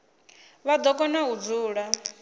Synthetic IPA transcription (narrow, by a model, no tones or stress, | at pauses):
βad̪ɔkʼɔnaud͡zuːɺa